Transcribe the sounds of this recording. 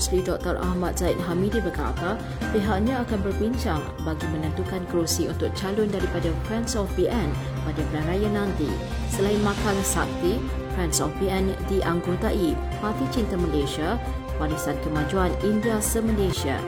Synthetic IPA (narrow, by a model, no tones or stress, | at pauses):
slidɔk̚t̪ərʔa̰hmãt̪̚z̥aɪt̪̚ɦamidibəka̰t̪a | peɦaʔɲãːkanbərbiɲt͡ʃaŋ | baɡimə̃nə̃nt̪ukanɡɾusiunt̪ʊk̚t͡ʃalʊndaɾipadafɾɛnsɔfbiʔɛn | badapəlanrajanãnt̪ḭ | səlainmãkalasap̚t̪i | fɾɛnsɔfbiɛndiʔaŋɡot̪aʔi | part̪it͡ʃint̪aməleʃia | walisankəmãd͡ʒuanindiasəməleʃia̰